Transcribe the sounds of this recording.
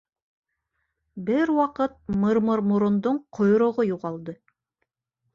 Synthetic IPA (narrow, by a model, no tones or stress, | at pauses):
bɘɾwɑqɤt̪̚mɤ̆ɾmɤɾmuɾŏnd̪oɴqʰŏjoɾŏʁojuʁɑlˠd̪ɤ